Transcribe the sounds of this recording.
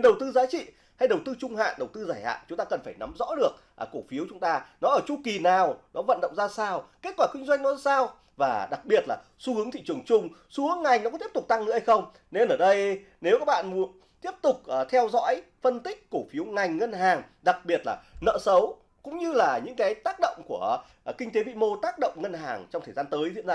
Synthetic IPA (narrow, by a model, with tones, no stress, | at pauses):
nɗə˨˩wt̪ɨ˧zaː˨˦t͡ɕḭ˧˨ | ha˧jɗə˨˩wt̪ɨ˧t͡ɕʊ˧ŋ͡mha̰ː˧˨nɗə˨˩wt̪ɨ˧zaː˧˩jha̰ː˧˨t͡ɕʊ˨˦ŋ͡mt̪aː˧kə˨˩nfaː˧˩jna˨˦mzɔ̰˧˥ɗɨ˨˩ək̚ʔko˧˩fi˨˦əwt͡ɕʊ˨˦ŋ͡mt̪aː˧nɔ˨˦ʔəː˧˩t͡ɕu˧ki˨˩naː˨˩wnɔ˨˦və̰˧˨nɗə̰˧˨ŋ͡mzaː˧saː˧wke˦˥t̚kwaː˧˩kï˧ŋ̟zwa˧jŋnɔ˨˦saː˧w | vaː˨˩ɗa˨˩k̚ɓi˨˩ət̚laː˨˩ | su˧hɨ˨˦ŋt̪ʰḭ˧˨t͡ɕɨ˨˩əŋt͡ɕʊ˧ŋ͡msu˨˦əŋa˨˩jŋ̟n˨˦kɔ˧˥t̪i˦˥p̚t̪k͡p̚t̪a˧ŋɨ̰˧˥ha˧jxə˧wŋ͡m | ne˧nʔəː˧˩ɗə˧j | ne˨˦wkaː˦˥k̚ɓa̰ː˧˨nmu˨˦ən | t̪i˦˥əp̚t̪ʊ˨˩k͡p̚ʔt̪ʰɛ˧wzɔ̰ː˧˥j | fə˧nt̪ï˦˥k̟̚ko˧˩fi˨˦əwŋa˨˩jŋ̟ŋə˧nɦaː˨˩ŋɗa˨˩k̚ɓi˨˩ət̚laː˨˩nə̰ː˧˨sə˨˦w | kʊ̰˧˥ŋ͡mɲɨ˧laː˨˩ɲɨ̰˧˥ŋkaː˨˦jt̪aː˦˥k̚ɗə̰˧˨wŋ͡mku˧˩ə˩ | kï˧ŋ̟t̪e˨˦vḭ˧˨mo˧t̪aː˦˥k̚ɗə̰˧˨wŋ͡mŋə˧nɦaː˨˩ŋt͡ɕɔ˧wŋ͡mt̪ʰəː˨˩zaː˧nt̪əː˨˦jzḭ˧əna˧˩